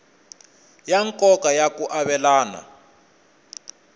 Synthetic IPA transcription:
jaŋkɔkajakuʔaβɛlaːna̰

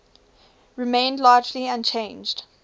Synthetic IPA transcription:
ɹɪmẽɪ̃ndlɑːd͡ʒliãnt͡ʃʰẽɪ̃nd͡ʒd̥

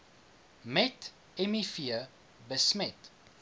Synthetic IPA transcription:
mɛt | ɛmifiə | bəsmɛt

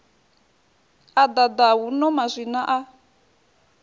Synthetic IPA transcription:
ad̪ad̪awunɔmazʷinaʔa

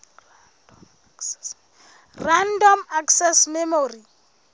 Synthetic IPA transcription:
randɔmaksɛsmɛmori

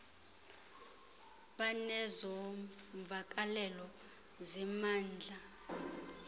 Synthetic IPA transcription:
ɓanɛzɔɱvʱak̬ʼalɛlɔ | zɛmaːnd͡ɮʱa

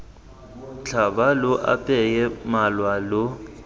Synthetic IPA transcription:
t͡ɬʰabalʊʔa̰pʼɛjɛmalwalɔ

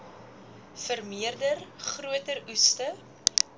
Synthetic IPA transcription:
fərmiərdərχruətərustə

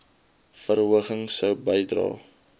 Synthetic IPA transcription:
fəɾɦuəχəŋsəwbəjdrɑ̰ː

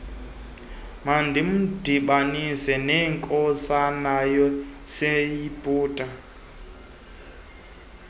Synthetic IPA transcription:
mandim̩diɓanisɛnɛŋkʼɔsanajɔsɛjipʼuːtʼa

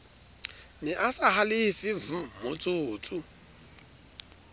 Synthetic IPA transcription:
nɪʔasaɦalɪfɪv̩mʊt͡sʼʊːt͡sʼʊ

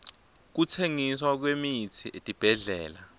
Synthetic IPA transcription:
k̬utʰeŋiswak̬wemitʰiʔetʼib̥ʱɛɮɛːla

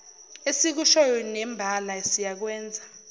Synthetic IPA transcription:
esik̬uʃɔjɔnɛmbʱalaesijak̬wɛːnd͡zʱa

